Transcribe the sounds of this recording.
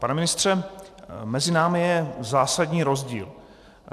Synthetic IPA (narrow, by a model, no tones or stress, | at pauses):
panɛmɪnɪst̪r̝̥ɛ | mɛzɪnaːmɪjɛzaːsadɲiːɾo̞zɟḭːl